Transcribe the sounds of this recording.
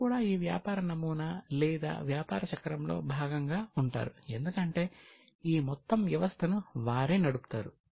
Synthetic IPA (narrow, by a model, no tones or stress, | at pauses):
kuːɽaːiːʋja̰ːpaːɾɐnɐmuːnɐlɛːd̪a̰ːʋjaːpa̰ːɾɐt͡ʃɐkɾɐmlo̰ːbʱaːɡɐŋɡaːuɳʈa̰ːɾue̞nd̪ukɐɳʈe̞ː | iːmɔt̪ːɐmʋjɐʋɐst̪ʰɐnuʋaːɾiːnɐɽupu̥t̪aːɾu